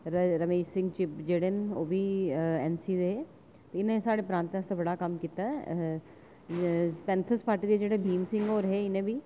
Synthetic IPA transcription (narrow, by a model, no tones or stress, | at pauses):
ɾɾɐmeːʃsɪ̃ŋɡt͡ʃɪpd͡ʒeːɽenoːbʱiɛːnsid̪eɦe | t̪oɪnẽsaːɽepɾãːnt̪əst̪abɐɽakɐmkiːt̪aɛ | pɛ̃ːnt̪ʰəspaːɾʈid̪ed͡ʒeːɽebʱiːmsɪ̃ŋɡoːɾɦeɪnẽbʱiː